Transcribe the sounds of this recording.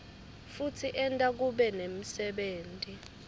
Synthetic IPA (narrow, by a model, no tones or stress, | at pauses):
futʰiʔɛntʼak̬uɓɛnem̩sɛɓeːntʼi